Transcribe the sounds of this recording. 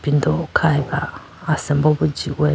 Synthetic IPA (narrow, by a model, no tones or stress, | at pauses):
pindɔkʰaiβaː | sɛmbɔβud͡ʒiwɛ